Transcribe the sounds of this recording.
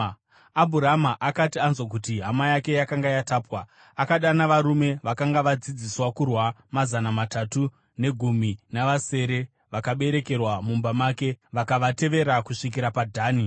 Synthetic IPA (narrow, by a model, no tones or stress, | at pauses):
abʱuɾamaʔakatianzwak̬utiɦamajake̞jakaŋɡajataːpwa | akaɗanaʋaɾume̞ʋakaŋɡaʋad͡zid͡ziswakurwamazanamatatu | ne̞ɡʱuminaʋase̞ːɾe̞ | ʋakaɓe̞ɾe̞ke̞rwamumbamaːke̞ʋakaʋate̞ʋe̞ɾakuʂik̬iɾapadʱaːni